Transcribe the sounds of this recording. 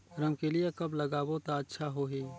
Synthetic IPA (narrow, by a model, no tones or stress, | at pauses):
ɾəmkelɪjakɐblɐɡaːbot̪aətːʃʰaɦoːɦiː